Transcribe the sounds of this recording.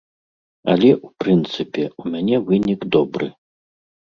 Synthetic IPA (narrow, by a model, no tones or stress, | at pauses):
ɐ̰lʲɛʔupɾɨnt̪sɨpʲɛumʲanʲɛvɨnʲikd̪ɔbɾɨ̰